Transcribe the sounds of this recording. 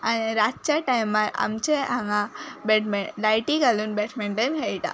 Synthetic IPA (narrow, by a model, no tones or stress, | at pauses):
aniɾat̪̚t͡ɕaʈajmːaɾa̰mt͡ɕeɦaŋabeʈmɛɳlajʈiɡalunbeʈʰmɛɳʈənɦeiʈa̰